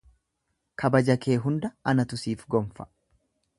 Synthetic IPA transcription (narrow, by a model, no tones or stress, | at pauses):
kʰɐbɐd͡ʒɐke̞ːɦʊnd̪ɐɐnɐt̪ʊsiːfɡɔmfɐ̥